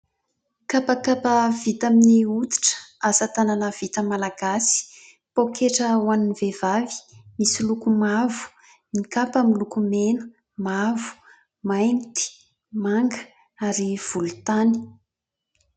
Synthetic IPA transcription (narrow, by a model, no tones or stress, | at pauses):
kapakapəvit̪aminiut̪i̥ʈ͡ʂə̥azət̪ananəv̥it̪əmalaɡasi̥ | pokʰeʈ͡ʂəwaninvev̥avi̥misilukumavu̥ | nikapamilukumenə̥ | mavu̥ | majnt̪i̥ | maŋɡə̥ | aɾiv̥ulut̪ani̥